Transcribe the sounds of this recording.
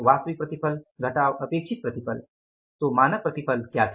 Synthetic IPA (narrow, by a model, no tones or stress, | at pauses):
ʋast̪ʋik̚pɾət̪ipʰəlɡʱəʈaːʋəpeːkʂit̪̚pɾət̪ipəl | t̪omaːnək̚pɾət̪ipʰəlkjat̪ʰ